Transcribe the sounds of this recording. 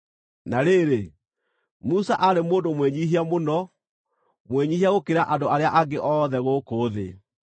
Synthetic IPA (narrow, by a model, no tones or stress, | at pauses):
naɾeɾe | musaʔaɾemoːndomwɛɲiɦiamonɔ | mwɛɲihiaɣokeɾaʔandoaɾeaʔaɡeʔɔːðɛɣoːkoːðḛ